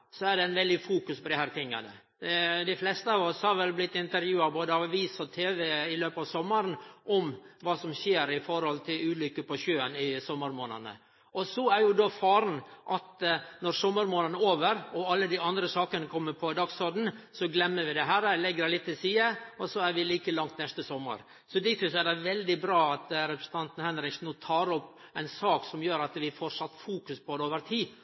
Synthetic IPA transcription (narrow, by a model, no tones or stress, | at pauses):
sɔæɖɛɪnʋɛld̪ɪfuːkʉspʰɔd̪ɪhæːɾt̪ʰɪŋːɑ̰nə̰ | d̪ɪflɛst̪əɑːʋɔshɑɾʋɛlblɪt̪ːɪnt̪əɾjʉːɑboːd̪əɑʋiːsɔt̪ʰeːʋɛɪløːpɑʋsɔmːɑɾənʔɔmʋɑːsɔmʃeːɾɪfɔɾhɔlt̪ʰɪlʉːlʏkːəpʰɔʃøːənɪsɔmːəɾmoːnə̰nə̰ | ɔsɔæɾjʊd̪ofɑːɾn̩ʔɑt̪nɔɾsɔmːəɾmoːnənəoːʋəɾɔɑlːəd̪ɪɑnd̪ɾəsɑːkənəkʰɔmːəɾpʰɔɪd̪ɑɡsɔɖ̪n̩sɔɡlɛmːəɾʋɪd̪ɛɦæːɾɛlɛɡːəd̪ɛlɪt̪ːɪlsiːəɔsɔæɾʋɪliːkəlɑŋt̪nɛst̪əsɔmːə̰ɾ | sɔd̪ɪt̪ʰɪsæd̪ɛʋɛld̪ɪbɾɑːɑt̪ɾɛpɾəsən̩t̪ʰɑnt̪n̩hɛnɾɪksnuːt̪ʰɑːɾɔpː | æɪnsɑːksɔmjøːɾɑt̪ʋɪfɔʂɑt̪ːfuːkʉspʰɔd̪ɛoːʋəɾt̪ʰiː